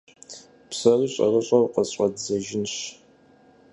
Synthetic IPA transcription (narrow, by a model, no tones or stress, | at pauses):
psɐriɕʼɐ̰rɨɕʼɐwqəzɕʷʼɐdzɐʒɪnɕ